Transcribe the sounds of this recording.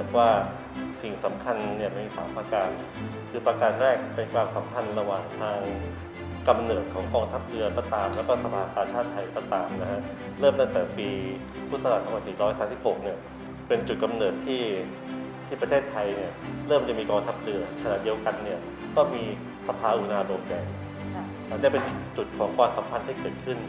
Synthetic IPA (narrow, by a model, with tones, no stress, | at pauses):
k̚waː˥˩ | si˨˩ŋsa˩˦mkʰa˧nːi˥˩ɐma˧˩nmiː˧˩saː˩˦mpaː˧kaː˧n | kʰɯː˧pɾaː˧kaː˧nɾɛː˥˩k̚pe˧nkʰwaː˧msa˩˦mkʰa˧nɾa˧waː˨˩ŋt̪ʰaː˧ŋ | ka˧mnɤː˨˩t̪̚kʰɔː˩˦ŋkɔː˧ŋt̪ʰa˦˥p̚lɯ˧ɐk̪ɔː˥˩t̪aː˨˩mlɛː˦˥kɔ˥˩sa˧pʰaː˧kaː˧t͡ɕʰaː˥˩t̪ʰːa˧jk̪ɔ˥˩t̪aː˨˩mna˦˥kʰa˦˥ʔ | ɾɤː˥˩mt̪a˥ŋt̪ɛː˨˩piː˧ | pʰu˥˩t̪̚sa˧a˨˩t̪̚a˧ŋwa˧nsi˨˩ɾɔː˦˥jsaː˦msi˨˩p̚ho˨˩k̚ni˥˩ɐ | pe˧nt͡ɕu˨˩t̪̚ka˧mnɤː˨˩t̪ʰːiː˥˩ | t̪ʰiː˥˩pɾa˧t̪ʰeː˥˩t̪ʰːa˧jni˥˩ɐɾɤː˥˩mt͡ɕa˨˩miː˧kɔː˧ŋt̪ʰa˦˥p̚lɯ˧ɐkʰa˧na̰˨˩ʔdi˧əwka˧nːi˥˩ɐ | t̪ɔː˥˩ŋmiː˧ | sa˧pʰaː˧ʔu˨˩naː˧doː˨˩m̚ja˨˧˩j | ni˥˩pe˧nt͡ɕu˨˩t̪̚kʰɔː˩˦ŋkʰwaː˧msa˩˦mpʰa˧nt̪ʰiː˥˩kɤː˨˩t̪̚kʰɯ˥˩n